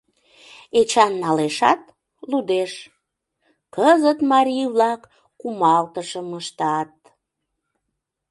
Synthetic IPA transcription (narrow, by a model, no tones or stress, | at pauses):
et͡ɕɑnːɑleʃɑ̰t̪ | lud̪eʃ | kəzət̪mɑɾʲijβlɑkː | umɑlt̪əʃəməʃt̪ɑt̪̚